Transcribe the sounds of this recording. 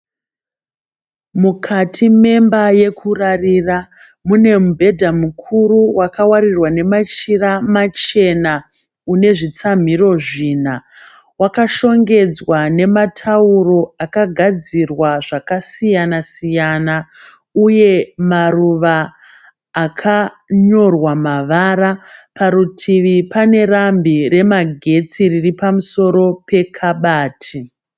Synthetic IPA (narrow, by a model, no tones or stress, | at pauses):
mukʰatʰime̞mbaje̞kʰurarira | mune̞mubʱe̞dʱamukʰuruwakawaɾirwane̞mat͡ʃiramat͡ʃe̞na | une̞ʐit͡sam̤iro̞ʐiːn̤a | wakaʃo̞ŋɡe̞d͡zwane̞matʰauro̞akaɡʱad͡zirwaʐakasijanasijana | uje̞maruʋaː | kʰa | ɲo̞rwamaʋaɾapʰaɾutʰiʋipane̞rambire̞maɡʱe̞t͡siriripamuso̞ɾo̞pe̞kʰaɓaːtʰi